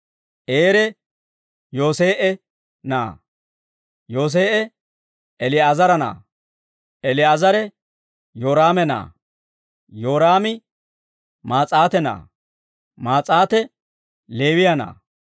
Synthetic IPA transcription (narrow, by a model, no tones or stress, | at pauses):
ʔeːɾɛ | jo̞ːse̞ːʔɛ | na̰ː | jo̞ːs̬eːʔɛ | ɛlɪaːzɐɾɐna̰ː | ʔɛlɪaːzɐɾɛ | jo̞ːɾaːmɛna̰ː | joːɾaːmɪ | maːt͡sʼaːt̪ɛna̰ː | maːt͡sʼaːt̪ɛ | le̞ːwɪjɐna̰ː